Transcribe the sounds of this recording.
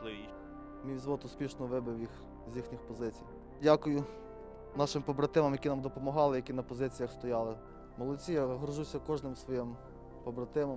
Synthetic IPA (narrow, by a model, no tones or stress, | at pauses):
i | mʲijzʋɔt̪ʊspʲiʃnɔʋɪbɪwjix | zʲjixnʲixpɔzɪt͡sʲij | dʲakʊjʊ | nɑʃɪmpɔbɾɐt̪ɪmɐmjɐkʲinɑmd̪ɔpɔmɔɦɑlˠɪjɐkʲinɐpɔzɪt͡sʲijɐxst̪ɔjɑlˠɪ | mɔlˠɔt͡sʲijaɦɾɔʒusʲɐkɔʒnɪmsʋɔjim | pɔbɾɐt̪ɪmɐm